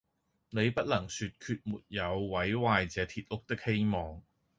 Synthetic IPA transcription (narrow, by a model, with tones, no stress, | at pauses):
ne˨˧jpɐ˥t̚lɐ˨˩ŋsyː˧t̚kʰyː˧t̚muː˨t̚jɐ˨˧wwɐ˨˥jwaː˧jt͡sɛː˨˧t̪ʰiː˨t̚lʊ˥k̚t̪ɪ˥k̚he˥jmɔː˨ŋ